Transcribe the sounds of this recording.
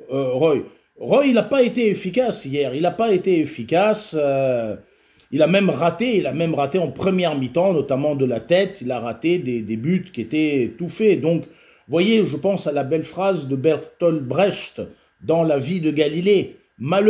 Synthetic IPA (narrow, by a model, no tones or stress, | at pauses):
ʁɔj | ʁɔjilapaet̪eefikʲasijɛʁilapaet̪eefikʲasø | ilamɛmʁat̪eilamɛmʁat̪eɑ̃pχəmjɛʁmit̪ɑ̃nɔt̪amɑ̃d̪əlat̪ɛt̪ilaʁat̪ed̪ed̪ebyt̪kʲiet̪ɛt̪ufed̪ɔ̃k | vwajeʒəpɑ̃salabɛlfχazd̪əbɛʁt̪ɔlbʁɛʃt̪ | d̪ɑ̃lavid̪əɡalile | mal